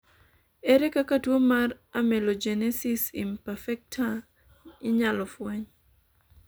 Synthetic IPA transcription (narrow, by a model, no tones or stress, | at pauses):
ɛɾɛkakatwomar | amɛlɔd͡ʒɛnɛsisimpafɛk̚tʰa | ɪɲalɔfwɛɲ